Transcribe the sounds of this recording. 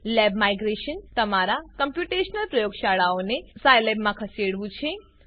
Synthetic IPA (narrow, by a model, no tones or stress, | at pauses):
lɛbmajɡɾeʃənt̪əmaɾakəmpjuʈeʃnəlpɾəjoɡʃaɭaonesajlɛbmãkʰəseɽʋũt͡ʃʰe